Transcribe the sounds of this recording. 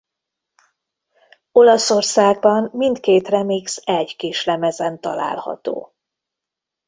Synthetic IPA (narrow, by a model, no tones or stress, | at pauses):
o̞lɒso̞rsaːɡ̚bɒmmint̪keːt̪rɛmiksɛɟkiʃlɛmɛzɛnt̪ɒ̰la̰ːlhɒ̰t̪o̰ː